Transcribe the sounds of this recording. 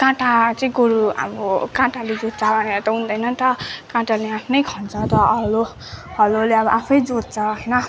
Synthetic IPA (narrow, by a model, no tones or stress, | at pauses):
kãʈat͡sʌĩɡoɾuʌ̰bʌkãʈaled͡zod̪̚t͡sʰabʱʌneɾʌt̪ʌund̪ʌjnʌnt̪ʌkãʈaleapʰnʌjkʰʌnt͡sʰʌt̪ʌʌlo | hʌloleʌβʌʔapʰʌjd͡zod̪̚t͡sʰʌɦʌjnʌ